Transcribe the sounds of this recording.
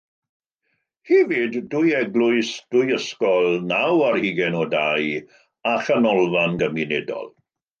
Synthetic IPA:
hivɪdːʊjɛɡlˠʊɨsd̥ʊjəskɔlˠnawarhiɡɛnɔdaj | aχanɔlˠvanɡəminedɔ̰lˠ

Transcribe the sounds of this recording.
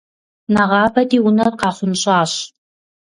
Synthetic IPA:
naʁɑːbɐdiːwunɐrqɑːχʷʊnɕʼɑːɕ

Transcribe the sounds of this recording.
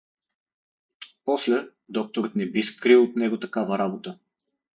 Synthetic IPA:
pɔslɛ | d̪ɔk̚t̪oɾət̪nɛbiskɾilˠot̪nɛɡot̪ɐkavəɾabot̪ə

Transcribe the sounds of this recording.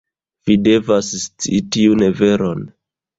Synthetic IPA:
v̥ide̞vasst͡sitiune̞ve̞ɾon

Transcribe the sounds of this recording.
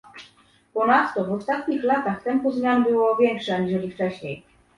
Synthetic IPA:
pɔnat̪ːɔvɔst̪at̪ɲixlat̪axt̪ɛmpuzmʲjanbɘwɔvʲjɛŋkʂɛɲiʐɛlʲift͡ʂɛɕɲej

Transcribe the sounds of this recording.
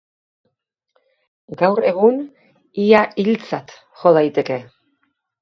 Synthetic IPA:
ɡawre̞ɣun | iailt͡sat̪ | xolajt̪e̞ke̞

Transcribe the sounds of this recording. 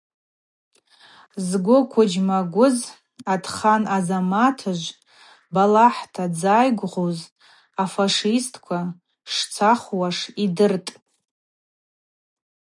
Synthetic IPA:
zɡʷʊkʷʰʊd͡ʒmaɡʷʊz | adχanazamatʰɨʒʷ | balaħtʰad͡zajɡʷʁoz | afaʂistʰʼkʷʰa | ʂt͡sʰaχwaʂidɨrtʼ

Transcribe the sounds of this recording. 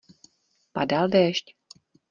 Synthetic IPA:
padaldɛːʃc

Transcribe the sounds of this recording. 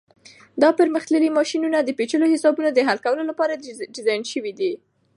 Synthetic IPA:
d̪ɑpəɾməxt̪ləlimɑʃinunad̪əpet͡ʃəlohɪsɑbunod̪əɦalkawəlolapɑɾaɖɪzɑjnʃəwid̪i

